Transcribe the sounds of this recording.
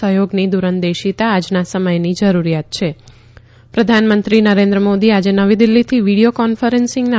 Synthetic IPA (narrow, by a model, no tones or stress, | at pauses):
əɦjoɡnid̪uɾənd̪eʃit̪aːd͡ʒnasəməjnid͡ʒəɾuɾijat̪̚t͡ʃʰe | pɾəd̪ʱanmənt̪ɾinəɾẽnd̪ɾəmod̪iad͡ʒenəʋid̪ilːit̪ʰiʋiɽijokɔnfəɾensɪ̃ŋɡna